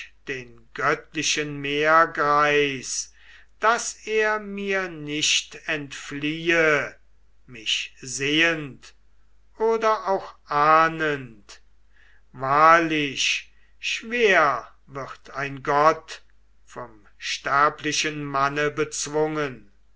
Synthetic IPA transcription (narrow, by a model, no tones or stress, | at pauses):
d̥eːnɡœtlɪʃənmeːɐɡʁaɪs | d̥aseːɐmiːɐnɪʃtɛntfliːə | mɪʃzeːənt | ʔoːdɐʔaʊxʔaːnənt | vaːɐlɪʃ | ʃv̥eːɐ | vɪʁtʰaɪnɡɔt | fɔm | ʃtæɐplɪʃənmanəbət͡sv̥ʊŋən